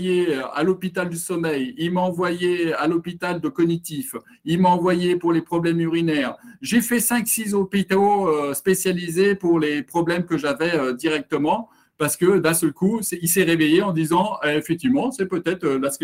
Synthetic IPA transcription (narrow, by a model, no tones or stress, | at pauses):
jea̰lɔpit̪ald̪ysɔmɛjilmaɑ̃vwajealɔpit̪ald̪əkɔnit̪if | ilmaɑ̃vwajepuʁlepχɔblɛmyʁinɛːʁʒefɛsɛ̃ksizɔpit̪oøspesjalizepuʁlepχɔblɛmkəʒavɛød̪iʁɛk̚t̪əmɑ̃ | paʁsə̥kəd̪ɛ̃sœlkusɛilsɛʁevejeɑ̃d̪izɑ̃ɛefɛk̚t̪ivmɑ̃sɛpøt̪ɛt̪χølas